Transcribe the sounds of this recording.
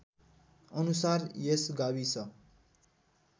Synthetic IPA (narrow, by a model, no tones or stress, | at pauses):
ʌnusarjesɡabisʰʌ